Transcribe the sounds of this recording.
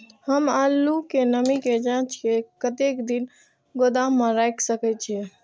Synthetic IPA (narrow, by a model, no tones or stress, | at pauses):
həmalːukenəmiked͡ʒãt͡ʃkekət̪ekd̪in | ɡod̪aməɾaksəkɛt͡ʃʰɛ